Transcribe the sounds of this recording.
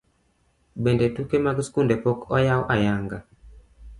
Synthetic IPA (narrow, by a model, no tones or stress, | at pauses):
bendetukemaɡskundepokɔjawʔajaŋɡa